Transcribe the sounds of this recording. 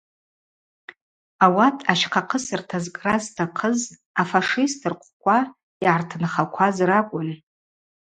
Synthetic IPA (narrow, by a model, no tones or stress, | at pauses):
awatʰʼaʃqʰaqʰəsɨrtʰazkʼraztʰaqʰəz | afaʂistʰɨrqʷʰʼkʷʰʼa | iʕartʰɨnχakʷʰazrakʷʼʊn